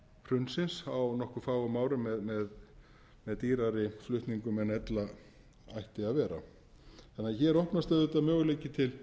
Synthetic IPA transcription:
pʰɾ̥ʏnsɪnsawnɔhkʏfaːwɣʏmaːwɾʏmɛðmɛð | mɛðt̪iːɾaɾɪflʏht̪niŋkʏmɛðnɛt̪la | ajht̪ɪaðvɛːɾa̰ | θanːaðçɛːɾɔhpnast̪aðʏt̪amjœːɣleːjcɪt̪ʰɪl

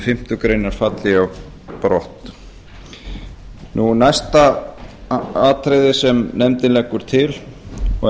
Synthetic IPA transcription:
fɪm̥t̪ʏkɾejnaɾ̥fat̪lɪaw | pɾɔht̪ | nʔunajst̪a | aːt̪ʰɾejðɪsɛmnɛmt̪ɪnlɛkːʏɾ̥t̪ʰɪlɔ

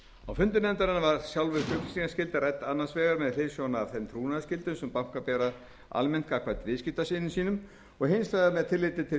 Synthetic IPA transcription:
awfʏnt̪ʏnɛnt̪aɾɪnavaɾ̥sjawlvɪðfʏknsiŋkascɪlt̪arɛt̪ːanːansvɛːɣaɾmɛðlɪːsjɔnːvθɛmt̪ʰɾuːnaðascɪlt̪ʏmsɛmpam̥kapɛːɾa | a̰lmɛnt̪kaːkʰvaːjt̪vɪðscɪt̪asɪnːɪsiːnʏm | ɔɣɦɪnslaðamɛðt̪ʰɪlːɪːt̪ɪt̪ʰɪ

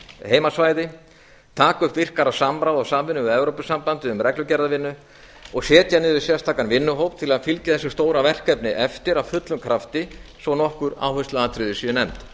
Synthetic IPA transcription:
hejmasvaːjðɪ | t̪ʰaːkʏhp̪vɪr̥kaɾasamɾawðɔsaːmvɪnʏɛvɾowpʏsampant̪ɪʏmɾɛklʏcɛɾðavɪnːʏ | ɔɣsɛːt̪janɪvɪsjɛst̪ʰaːkanvɪnːʏɦowp̚t̪ʰɪlaðfilcɪθɛsːʏst̪oːwɾavɛr̥kɛpnɪʔɛft̪ɪɾawfʏt̪lʏmkʰɾaft̪ɪsvɔnɔhkʏɾa̰ːwhʏst̪aðat̪ʰɾɪðɪsinɛmt̪

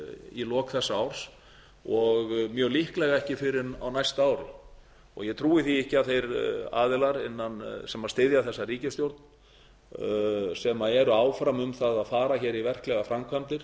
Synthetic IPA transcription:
ilɔːkθɛsːaawɾ̥s | ɔɣmjœːɣlihklɛɣaɛhcɪfɪɾɪna̰wnajst̪aaːwɾɪ̰ | ɔ̰ɣjɛt̪ʰɾuːɪθiɪhcɪaðθejɾa̰ːðɪlaɾɪnːansɛmaðst̪ɪðjaθɛsːariːcɪst̪jowɾt̪n | sɛmaðɛɾʏaːwfɾamʏmθaðaðfaːɾaçɛːɾivɛr̥klɛɣafɾamkʰvant̪ɪɾ̥

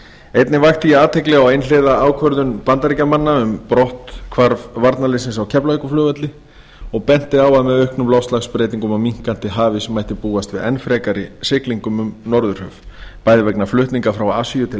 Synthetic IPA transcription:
ejt̪nɪvaxt̪ijaːt̪ʰɛklɛɣawejnleðaaːwkʰvœɾðʏnpant̪aɾicamanːaʏmpɾɔht̪kʰvaɾvvaɾt̪nalɪsɪnsawcʰɛplaɛkʏflœːvat̪lɪ | ɔɣpɛn̥t̪ɪawaðmɛðœhknʏmlɔwfst̪laxspɾeːjt̪iŋkʏmamiŋ̥kan̥t̪ɪɦaːvɪsɛmaːjht̪ɪpuːast̪vɪðɛnfɾɛːkaɾɪsɪkliŋkʏmʏmnɔɾðʏɾ̥hœ̰v̥paːjðvɛknaflʏht̪niŋkafɾawaasijʏt̪ʰɪ

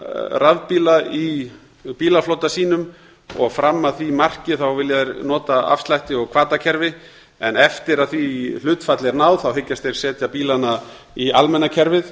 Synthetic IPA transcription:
ravpiːlai | piːlaflowt̪asiːnʏm | ɔ̰ɣfɾamːaðθimar̥cɪθawvɪljaðɾnɔːt̪aa̰fst̪lajht̪ɪɔɣkʰv̥aːt̪acʰɛɾvɪ | ɛnɛft̪ɪɾaðθil̥ʏːt̪fat̪lɪɛɾnaːwðθawɦɪcːast̪ejɾ̥sɛːt̪japiːlana | ialmɛnːacʰɛɾvɪð

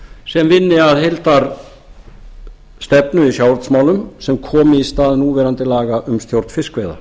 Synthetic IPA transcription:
sɛmvɪnːɪaðhejlt̪aɾ | st̪ɛpnʏisjawɾt̪smaːwlʏmsɛmkʰɔːmɪist̪aːðnuːvɛːɾant̪ɪlaːɣaʔʏmst̪jowɾt̪fɪskvejða̰

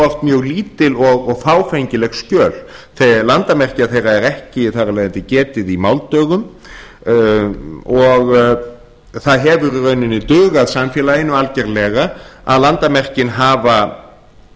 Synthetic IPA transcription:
ɔr̥t̪mjœːɣliːt̪ɪlɔɣɔɣfaːwfejɲcɪlɛɣscœːlθɛlant̪amɛr̥cɪaθejraɛɾɛhcɪiθarːalɛjðɪnt̪ɪcɛːt̪ɪðimawlt̪œːɣʏm | ɔɣ | θaðɦɛvʏɾrœɥnɪnːɪt̪ʏɣaðsamfjɛːlaɪnːʏalcɛɾlɛɣaa̰ðlant̪amɛr̥cɪnɦaːva

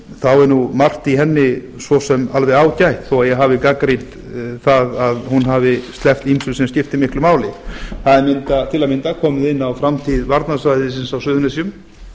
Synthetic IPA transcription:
θawɛɾnumar̥t̪iɦɛnːɪ | svɔsɛmalvɛðaːwcajht̪θɔwaðjɛɣɦaːvɪkakɾint̪ | θaðaðhunɦavɪst̪lɛft̪imsʏlsɛmscɪft̪ɪmɪhklʏmaːwlɪθaðɛɾmɪnt̪at̪ʰɪlamɪnt̪akʰɔːmɪðɪnːawfɾamt̪ʰiðvaɾt̪nasvajðɪsɪnsawsʏːðʏnasiʏm

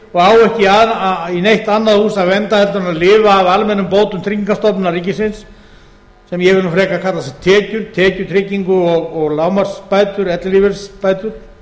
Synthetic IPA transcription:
ɔɣaːwɛhcɪainejht̪anːaðhuːsaðvɛnt̪ahɛlt̪ʏɾnaðlɪːvaːvalmɛnːʏmpoːwt̪ʏmt̪ʰɾiciŋkast̪ɔpnʏnariːcɪsɪns | sɛmjɛɣvɪlũfɾɛːkakʰat̪lasɛt̪ʰːɛːcʏɾ̥t̪ʰɛːcʏɾt̪ʰɾɪciŋkʏɔɣɔɣlaːwmaɾ̥spaːjt̪ʏɾɛt̪lɪlivɛɾspaːjt̪ʏɾ̥

